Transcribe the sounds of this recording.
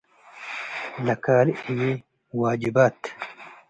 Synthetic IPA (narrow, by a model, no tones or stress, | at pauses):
lɐkaːliiwe | waːd͡ʑibaːt̪